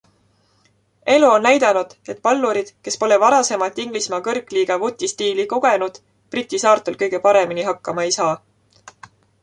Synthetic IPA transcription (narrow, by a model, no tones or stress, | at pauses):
e̞luo̞nnæjd̪̥ɑnud̪̥e̞t̪̚ˑpɑlːuɾid̪̥ke̞spo̞le̞vɑɾɑse̞mɑlt̪ːˑiŋɡ̥lismɑkɤrkːˑliːɡ̥ɑvut̪ʲːist̪iːliko̞ɡ̥e̞nud̪̥ | prit̪ʲːisɑːrt̪ˑulkɤjɡ̥e̞pɑɾe̞miniɦɑkːɑmɑejsɑː